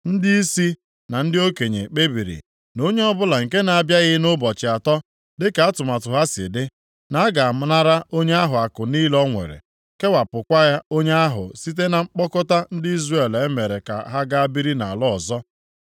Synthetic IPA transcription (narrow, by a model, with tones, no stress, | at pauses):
n̩˦dɪ˦i˦si˦ | na˨n̩˦dɪ˦o˦ke˨ɲḛ˨k͡pe˦bi˨ɾḭ˨ | no˦ɲe˦ɔ˦bʊ˦la˨ŋ̩˨ke˦na˨a˨bja˦ɣɪ˦nʊ˦bɔ˨t͡ʃɪ˨a˨tɔ˦ | dɪ˦ka˨a˦tʊ˨ma˨tʊ˨ɦa˦sɪ̰˨de˦ | na˨a˦ɡa˨a˨ma˨na˦ɾa˦o˦ɲe˦a˦ɦʊ˨a˨kʊ˨niː˦lɔ˦ŋʷḛ˨ɾḛ˨ | ke˦wa˨pʊ˨kʷa˦ɣa˦o˦ɲe˦a˦ɦʊ̰˨si˦t̬e˦na˨ŋ͡m̩˦k͡pɔ˦kʊ˦ta˦n̩˦dɪ˦i˦zre˦˨le˦me˨ɾe˨ka̰˨ɦa˦ɡa˦a˦bi˦ɾi˦na˨a̰˨lɔ˦ɔ˨zɔ˦